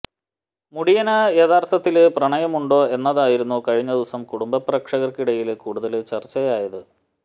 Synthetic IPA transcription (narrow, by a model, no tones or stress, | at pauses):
muɽijɐnɐjet̪ʰaːrt̪ʰɐt̪ːilprɐɳɐjɐmuɳɖo̞ːe̞nːɐðaːjiɾunːukɐɻiɲːɐðiʋɐsɐmkuɽumbɐprɐkʂɐɣɐrkiɽɐjilkuːɽuðɐlt͡ɕɐrt͡ɕːɐjaːjɐðɨ